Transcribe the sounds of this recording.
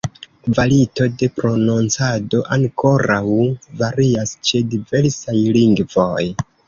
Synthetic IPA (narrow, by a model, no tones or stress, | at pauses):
kvalito̞de̞pɾo̞nont͡sado̞ʔaŋko̞ɾawvaɾiast͡ʃe̞dive̞ɾsajliŋɡvo̞j